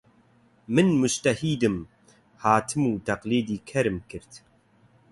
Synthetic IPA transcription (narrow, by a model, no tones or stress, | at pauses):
mɨnmʊd͡ʒt̪ɐhiːd̪ɨm | haːt̪ʰɨmuːt̪ɐqliːd̪iːkʰɐɾɨmkʰɨɾt̪